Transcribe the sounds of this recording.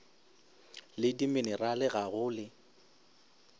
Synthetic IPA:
lɪdimɪnɪralɪɣaɣʊːlɪ

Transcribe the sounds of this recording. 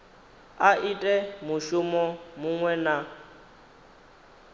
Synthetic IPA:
aʔitʼɛmuʃʊmɔmuŋwɛna

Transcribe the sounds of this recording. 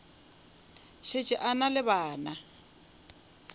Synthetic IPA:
ʃɪt͡ʃʼɪʔanalɪβaːna

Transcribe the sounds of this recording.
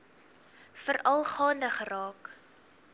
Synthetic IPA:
fərɐlˠχɑːndəχərɑːk

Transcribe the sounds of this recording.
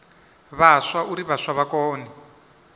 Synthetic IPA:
βaʂwauɾiβaʂaβakɔːnɛ

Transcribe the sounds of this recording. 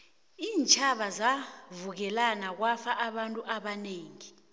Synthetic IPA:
iːnt͡ʃʼʰaɓazavuk̬ɛlanak̬wafaʔaɓantʼuʔaɓaneːŋi

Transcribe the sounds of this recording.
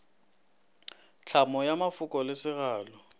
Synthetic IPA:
t͡ɬʰamɔjamafʊkʼɔlɪsɪɣaːlɔ

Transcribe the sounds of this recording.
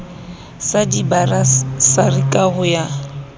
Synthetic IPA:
sadibarasarikʼaɣʊja

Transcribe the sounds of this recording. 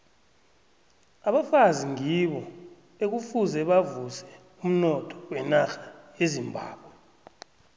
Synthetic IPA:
aɓafaziŋiɓɔ | ek̬ufuzɛɓavusɛ | um̩nɔtʰʼɔ̥wɛnaxḁjezimbʱa̰ːɓwɛ

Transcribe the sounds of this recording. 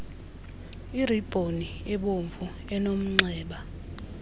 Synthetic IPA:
irib̥ʱoni | ɛɓoɱvu | ɛnom̩ŋ͡ǀɛːɓa

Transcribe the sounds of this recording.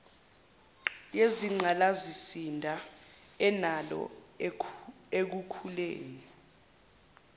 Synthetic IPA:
jeziŋ͡ǃʱalazisindʱaɛnalɔ̰ | ek̬ukʰulḛːni

